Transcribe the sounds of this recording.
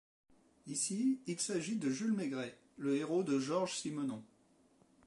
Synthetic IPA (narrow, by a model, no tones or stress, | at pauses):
isiːlsaʒid̪əʒylmeɡʁɛ | ləeʁod̪əʒɔʁʒsimɔnɔ̃